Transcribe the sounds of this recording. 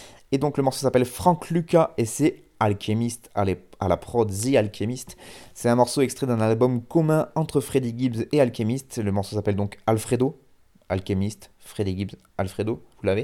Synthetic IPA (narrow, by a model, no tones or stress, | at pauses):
ed̪ɔ̃kləmɔʁsosapɛlfχɑ̃kʰlykʲaʔesɛ | alkʲʰemist̪alealapχɔd̪zialkʲʰemist̪sɛt̪ɛ̃mɔʁsoɛkst̪χɛd̪ɛ̃nalbɔmkɔmɛ̃ɑ̃t̪χəfχed̪iɡʲibzealkʲemist̪ləmɔʁsosapɛld̪ɔ̃kalfχed̪o | a̰lkʲemist̪fχed̪iɡʲibz | alfχed̪ovulave